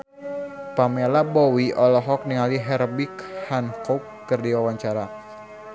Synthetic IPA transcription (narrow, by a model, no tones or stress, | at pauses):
pamelabɔwiɔlɔɦɔk̚niŋaliɦɛrbikhankɔkːərdiwawaɲt͡ʃaɾa